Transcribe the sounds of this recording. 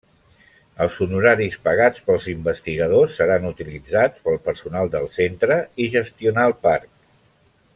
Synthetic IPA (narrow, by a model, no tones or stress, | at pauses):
əlˠzunuɾaɾispəɣat͡spəlˠzimbəst̪iɣəðosːəɾanut̪ilid͡zat͡spəlˠpəɾsunalˠd̪əlˠsent̪ɾəiʒəst̪iunaəlˠpark̚